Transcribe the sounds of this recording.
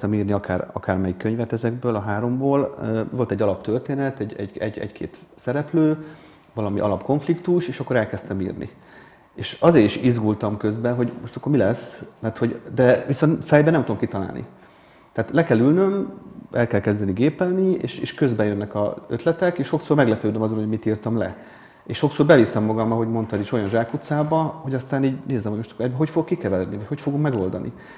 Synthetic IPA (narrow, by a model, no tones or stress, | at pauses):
t̪ɛmiːrniɒkʰaːrɒ̰kaːrmɛjikːøɲvɛt̪ɛzɛɡbøːlɒɦaːɾo̞mboːløvo̞lt̪ɛɟːɒlɒpt̪ørt̪eːnɛt̪ɛɟɛ̰ɟɛ̰ɟɛ̰ɟkʰḛːt̪sɛɾɛpløː | vɒlɒmḭʔɒ̰lɒpko̞ɱflikt̪uʃeːʃɒkːo̞ɾɛlkɛst̪ɛmḭːrnḭ | eːʃɒzeːɾiʃizɡult̪ɒmkø̞zbɛɦo̞ɟmo̞ʃt̪ɒkːormilɛsːmɛrt̪ho̞ɟd̪ɛviso̞nt̪fɛjbɛnɛmt̪uomkit̪ɒla̰ːlnʔḭ | t̪ɛaːt̪lɛkɛlylnømʔɛlkɛlkɛzd̪ɛniɡeːpɛlniḛːʃeːʃkø̞zbɛjønːɛkɒ̰ø̰t̪lɛt̪ɛkeːʃo̞ksormɛɡlɛpøːd̪ømɒzonhoɟmit̪iːrt̪ɒmlɛ̰ | eːʃo̞ksoːrbɛvisɛmːɒɡɒmɒɦo̞ɟmo̞nt̪ɒd̪iʃo̞jɒnʒaːkut̪saːbɒho̞ɟɒst̪aːniːɟneːzɛmhoɟmo̞ʃt̪ɒ̥koɛɟbɛɦo̞cfoɡokːikɛvɛɾɛd̪nivɒcho̞cfo̞ɡommɛɡo̞ld̪ɒnḭ